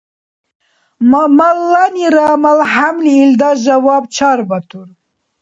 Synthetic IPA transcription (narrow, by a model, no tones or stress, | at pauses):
mmɐlːaniɾamɐlɦamliːld̪ɑʒɐwɑːb̚t͡ʃʰɑɾbɐt̪ʰuɾ